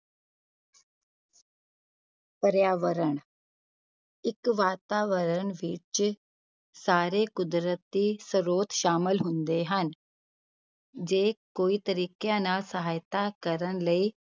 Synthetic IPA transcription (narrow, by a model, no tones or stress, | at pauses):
pəɾjaːʋəɾəɳ̃ | ɪkʋaːt̪aːʋəɾəɳʋɪt͡ʃ | saːɾekʊd̪ɾət̪isəɾoːt̪ʃaːməlɦʊ̃nd̪eɦən | d͡ʒeːkoːit̪əɾiːkjãnaːsəɦaːjt̪akəɾəɳləiː